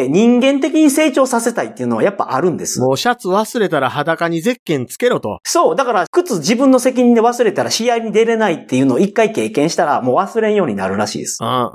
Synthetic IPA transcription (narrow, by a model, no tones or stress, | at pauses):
ɲ̟ĩŋɡẽ̞nt̪̬e̞kʲiɲ̟ise̞ːt͡ɕo̞ːsase̞t̪ait̪ːeiɯ̟no̞βajapːa̰ʔaɾɯ̟̃nd̪e̞sɨ̥moːɕat͡sɨβasɨɾe̞t̪aɾahad̪akaɲ̟ize̞kːẽ̞nt͡sɨ̥ke̞ɾo̞t̪o̞̰so̞ːd̪akaɾakɯ̟t͡sɨʑibɯ̟̃nːo̞se̞kʲiɲ̟ĩnd̪e̞βasɨɾe̞t̪aɾaɕijaiɲʲid̪e̞ɾe̞nait̪ːe̞jɯ̟ːno̞ːikːaike̞ːkẽ̞ɰ̃ɕi̥t̪aɾamo̞ːβasɨɾeɰ̃jo̞ːɲ̟ina̰ɾɯ̟ɾaɕḭːd̪e̞sɨ̥